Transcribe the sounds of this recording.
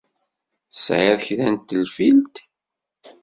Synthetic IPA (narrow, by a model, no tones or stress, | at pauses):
sʕaðçðænt̪ːəlfilt̪